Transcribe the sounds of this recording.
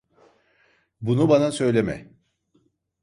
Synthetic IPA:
bunubanasø̞jlʲemɛ̰

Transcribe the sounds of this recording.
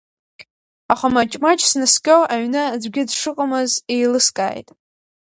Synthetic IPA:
aχamat͡ʃʼmat͡ʃʼsnɨskʲʼowʔaɥnɨd͡zʷɡʲɪdʂɨqʼamɨzejlɨskʼa̰ːjtʼ

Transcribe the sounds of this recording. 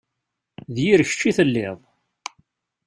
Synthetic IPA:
ðjiɾəç̥t͡ʃːiθəlːɪðˤ

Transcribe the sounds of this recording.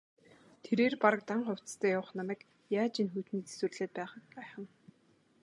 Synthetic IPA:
t̪ʰeɾeːrpaɾə̆k̚t̪aɴχʊw̥t͡sst̪ʰæːjawə̆χnamæːk | jaːt͡ɕinxujt̪niːt͡se̥swɘ̆rɮeːt̪̚pæːχə̆k̚pæːχə̆n

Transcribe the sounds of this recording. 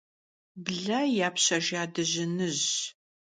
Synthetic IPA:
bɮɐjaːpɕɐʒaːdɨʑɪnɨʑ

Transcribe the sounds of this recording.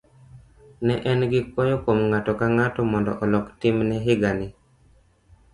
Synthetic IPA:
nɛʔɛnɡɪkwɔjɔkomŋatɔkaŋatɔmɔndɔ̰ʔɔlɔktimnɛɦɪɡanɪ

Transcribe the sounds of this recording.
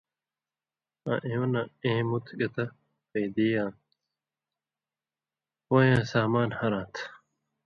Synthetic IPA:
ã̰ʔẽõnaẽːmut̪ʰɡɐt̪ɐ | peːd̪iːjãː | wojãːsaːmaːnhɐɾãːt̪ʰ

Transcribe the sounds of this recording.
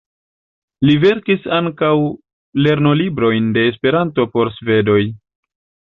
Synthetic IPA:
live̞ɾkisaŋkaw | le̞ɾno̞libɾo̞jnde̞ːs̬pe̞ɾanto̞po̞ɾsve̞do̞j

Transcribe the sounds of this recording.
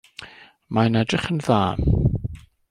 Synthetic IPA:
maənɛdrɪχənðaːn

